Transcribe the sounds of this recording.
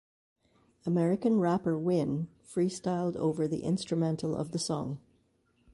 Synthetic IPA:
əmɛɹɨkɨ̃nɹæpə˞wɪ̃n | fɹistaɪlˠdo̰ʊvə˞ðḭʔɪ̰̃nstɹ̥ɨmɛ̃ntʰl̩ˠʌ̰vðəsɔ̰̃ŋ

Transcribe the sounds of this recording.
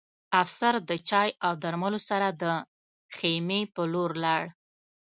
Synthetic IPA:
afsaɾd̪ət͡ʃɑjawd̪aɾmalosaɾad̪ə | xemepəloɾlɑɽ

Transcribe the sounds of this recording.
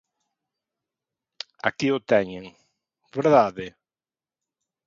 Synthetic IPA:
a̰kiʊt̪ɛɲẽŋ | beɾðaðɪ

